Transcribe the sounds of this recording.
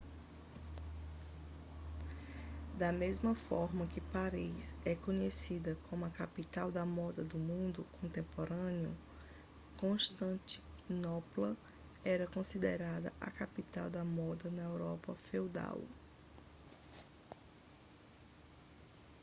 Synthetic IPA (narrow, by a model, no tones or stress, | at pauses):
d̪ɐmezmɐfɔɾmɐkɪpaɾisɛkõɲesid̪ɐkʰõmʊɐkapit̪awd̪ɐmɔd̪ɐd̪ʊmũnd̪ʊkõnt̪ẽmpoɾɐ̃njʊ̰ | kõʃt̪ɐ̃t̪i̥nɔplɐ | ɛɾɐkõsid̪eɾad̪ɐ̰ʔɐ̰kapit̪awd̪ɐmɔd̪ɐnɐewɾɔpɐfewd̪a̰w